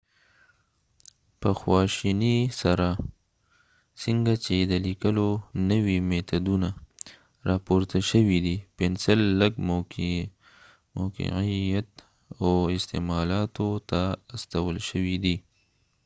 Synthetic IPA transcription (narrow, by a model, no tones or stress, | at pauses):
pəxwɑʃinisaɾa | siŋɡat͡ʃed̪əlikəlonəwimet̪ad̪una | ɾɑpoɾt̪aʃəwid̪ipensəlːəɡm | moqḭqijat̪ | awɪst̪ḛmɑlɑt̪ot̪aːst̪awəlʃəwid̪i